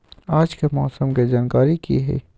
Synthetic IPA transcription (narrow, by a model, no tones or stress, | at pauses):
aːd͡ʒkemɔːsəmked͡ʒaːnkaːɾikḭɦɛ̰ː